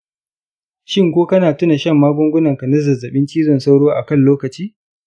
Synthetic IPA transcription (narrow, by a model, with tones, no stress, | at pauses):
ʃɪ˦ŋkʷoː˦kɐ˦naː˨tʊ˦na˨ʃɐ˦˨mːaː˦ɡʷʊ˦ŋɡʷʊ˦nɐ˨ŋkɐ˨nɐ˦zɐ˨zɐ˨ɓɪ˦nt͡ʃiː˦zɔ˨nsa˦wɽoː˦ʔa˨kɐ˦˨nloː˦kɐ˨t͡ʃiː˦